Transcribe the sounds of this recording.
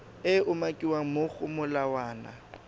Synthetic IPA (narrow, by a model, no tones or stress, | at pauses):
ɪʊmakʼiwaŋ̩mʊk͡xʊmʊlawaːna̰